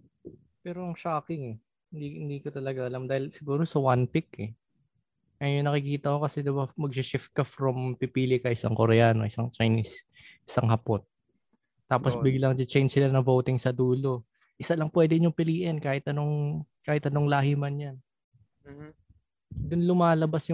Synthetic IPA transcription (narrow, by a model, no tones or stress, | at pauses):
pɛːɾoʔɐŋʃaːkɪŋɛ | hɪnd̪ihɪnd̪iːkot̪ɐlɐɡaʔɐlamd̪aːhɪlsɪɡuːɾo̞sɐwanpɪkɛ | ʔɐjʊŋnɐkɪkiːt̪ɐko̞kɐsɛd̪ɪbamɐɡ̚sɪʃɪft̪̚kɐfɾɐmpipiːlɪkɐɪsa̰ŋkoɾɛaːno̞ʔɪsaŋt͡ʃɐjnis | ʔɪsaŋhɐpot̪̚ː | aːposbɪɡlɐŋd͡ʒɪt͡ʃɛjnsɪlanɐvowt̪ɪŋsɐd̪uːlo̞ | ʔɪsalɐŋpwɛːd̪ɪɲʊŋpɪliːʔɛnkaːhɪt̪̚ɐno̞ŋkaːhɪt̪ɐnoŋlaːhɪmanjan | m̩ːh̩ | d̪ʊnlʊmaːlɐbasjʊ